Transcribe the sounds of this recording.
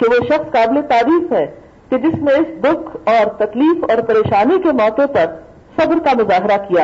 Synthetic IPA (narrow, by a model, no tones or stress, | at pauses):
keʋoʃɐxskaːblet̪aːɾiːfɦɛ̃ | ked͡ʒɪsnẽɪsd̪ʊkʰɔːɾt̪ɐkliːfɔːɾpɐɾeːʃaːnikemɔːt̪epɐɾ | sɐbɾkamʊzaːɦɾakija